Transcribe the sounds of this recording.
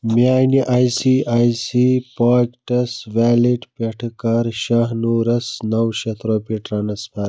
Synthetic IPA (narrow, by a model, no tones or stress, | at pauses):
mjaːniʔaːjsiaːjsipaːkʈɐsʋaːliʈpeʈʰkɐɾʃaɦnuːɾɐsnɐwʃɐt̪ʰɾoːpiʈɾanɐspaɾ